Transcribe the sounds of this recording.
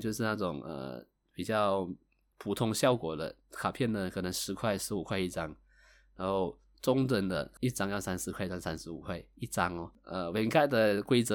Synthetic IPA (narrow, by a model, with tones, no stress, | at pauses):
t͡ɕjo˥˧ʊʂɻ̩˥˧na˥˩ʈ͡ʂʊ˨˩ŋə̰˧˩ | pi˨˩t͡ɕjɑ˥˩ʊ | pʰu˨˩t̪ʰʊ˥ŋɕjɑ˥˩ʊkwɔ˨˩d̪ə̰˦ | kʰa˨˩pʰjɛ˥˩nd̪ə˩kʰɤ˨˩nɤ˧˥ŋʂɻ̩˧˥kʰwa˥˧ɪʂɻ̩˧˥u˨˩kʰwa˥˧ɪi˥˩ʈ͡ʂɑ˥ŋ | na˧˥nxo˥˩ʊ | ʈ͡ʂʊ˥ŋʈ͡ʂə˧˩nd̪ə̰˧˨i˥˩ʈ͡ʂɑ˥ŋjɑ˥˩ʊsa˥nʂɻ̩˧˥kʰa˥˧ɪ˥ɑ˥ŋsa˥nʂɻ̩˧˥ṵ˨˩kʰwa˥˩ɪi˥˩ʈ͡ʂɑ˥ŋɔ˧˦ə˧we˧˥nka˥˩ɪd̪ə˩kwe˥ɪt͡sɤ˧˦